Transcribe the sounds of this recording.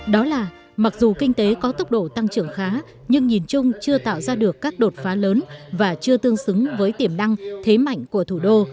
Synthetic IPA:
ɗɔ˨˦laː˨˩ | ma˨˩k̚zu˨˩kï˧ŋ̟t̪e˨˦kɔ˨˦t̪ə˦˥wk͡p̚ɗo̰˧˩t̪a˧ŋt͡ɕɨ˧˩əŋxaː˨˦ | ɲɨ˧ŋɲi˨˩nt͡ɕʊ˧ŋ͡mt͡ɕɨ˧ət̪a̰ː˧˨wzaː˧ɗɨ˨˩əkːaː˦˥k̚ɗo˨˩t̚faː˨˦ləː˨˦nvaː˨˩t͡ɕɨ˧ət̪ɨ˧əŋsɨ˨˦ŋvəː˨˦jt̪i˧˩əmna˧ŋt̪ʰe˨˦ma̰˧˨jŋ̟ku˧˩ət̪ʰu˧˩ɗo˧

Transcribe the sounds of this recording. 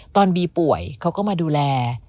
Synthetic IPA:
t̪ɔː˧nbiː˧pu˨˩əjkʰa˦˥wkɔː˥˩maː˧duː˧lɛː˧

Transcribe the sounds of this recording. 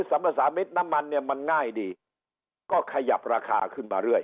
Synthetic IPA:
sa˨˩˦mpʰa˧saː˨˦me˦˥t̪̚na˦˥mːa˧nːi˥˩ɐma˧nŋaː˥˩jdiː˧ | kɔː˥˩kʰa˧ja˨˩p̚ɾaː˧kʰa̰ː˧kʰɯ˥˩nma̰ː˧ɾɯ˥˩əj

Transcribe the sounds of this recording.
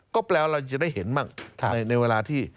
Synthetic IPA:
kɔː˥˩plɛː˧wɾa˧wt͡ɕ̬a˨daː˥˩jhe˩˦nmaː˥˩ŋʰa˦˧˩na˧jna˧jweː˧laː˧t̪ʰiː˥˩

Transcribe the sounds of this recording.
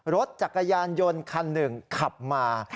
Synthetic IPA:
ɾo˦˥t̪̚t͡ɕa˨˩kːa˧jaː˧njo˧nkʰa˧nːɯ˨˩ŋkʰa˨˩p̚maː˧

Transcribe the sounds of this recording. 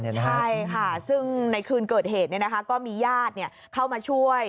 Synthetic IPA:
t͡ɕʰa˥˩jkʰa˥˩sɯ˥˩ŋna˧jkʰɯː˧nkɤː˨˩t̪̚ɦeː˨˩t̪ni˥˩n˦kʰa˦˥kɔː˥˩miː˧jaː˥˩t̪̚ni˥˩ɐ | kʰa˥˩wmaː˧t͡ɕʰu˥˩əj

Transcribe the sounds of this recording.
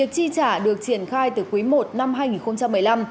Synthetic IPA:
ək̚t͡ɕi˧t͡ɕaː˧˩ɗɨ˨˩ək̚t͡ɕi˧˩ənxaː˧jt̪ɨ˧˩kwi˨˦mo˨˩t̚na˧mɦaː˧jŋi˨˩nxə˧ŋ͡mt͡ɕa˧mːɨ˨˩əjla˧m

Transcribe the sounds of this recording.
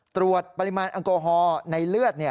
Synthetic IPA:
t̪ɾu˧ət̪̚pa˧limaː˧nʔɑ˧ŋkoː˧ɦɔː˧nɨjlɯ˥ət̪̚ni˩ə

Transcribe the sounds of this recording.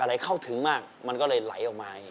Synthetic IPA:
ʔa˧ɾa˧jkʰa˥˩wt̪ʰɯ˩˦ŋmaː˥˩k̚ma˧nkɔː˥˩lɤː˧jla̰˩˦jʔɔː˨˩k̚maː˧˨˩

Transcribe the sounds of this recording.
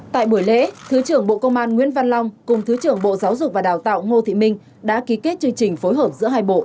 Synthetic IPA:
t̪a̰ː˧˨jɓu˧˩əjlḛ˧˥t̪ʰɨ˨˦t͡ɕɨ˧˩əŋɓo̰˧˨kə˧wŋ͡mʔaː˧nŋwḭ˧˥ənva˧nlɔ˧wŋ͡mkʊ˨˩ŋ͡mt̪ʰɨ˨˦t͡ɕɨ˧˩əŋɓo̰˧˨zaː˨˦wzʊ˨˩k͡p̚vaː˨˩ɗaː˨˩wt̪a̰ː˧˨wŋo˧t̪ʰḭ˧˨mï˧ŋ̟ | ɗa̰ː˧˥ki˨˦ke˦˥t̚t͡ɕɨ˧əŋt͡ɕï˨˩ŋ̟fo˨˦jɦəː˨˩p̚zɨ̰˧˥əɦaː˧jɓo̰˧˨

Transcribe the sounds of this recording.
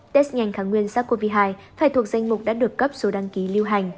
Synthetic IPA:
t̪e˦˥st̚ŋa˨˩jŋ̟xaː˨˩ŋwi˧ənsaː˦˥kːo˧vi˧ɦaː˧jfaː˧˩jt̪ʰu˨˩ək̚za˧jŋ̟mʊ˨˩k͡p̚ɗa̰ː˧˥ɗɨ˨˩ək̚kə˦˥p̚so˨˦ɗa˧ŋki˨˦li˧wɦa˨˩jŋ̟

